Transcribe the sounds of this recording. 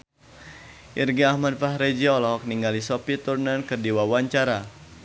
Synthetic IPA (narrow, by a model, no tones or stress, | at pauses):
ʔirɡiahmadfahɾed͡ʒiɔlɔk̚niŋɡalisopit̪urnankərdiwawaɲt͡ʃaɾa